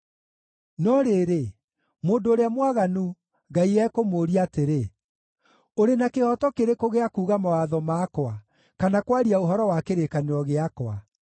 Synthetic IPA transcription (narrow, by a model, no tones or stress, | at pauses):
nɔɾeɾe | moːndoːɾeamwaɣanu | ŋɡaiɛkomoːɾiateɾe | oɾenakehɔtɔkeɾekoɣeakuːɣamawaðɔmaːkwa | kanakwaɾiaoɦɔɾɔwakeɾekaneɔɣeakwa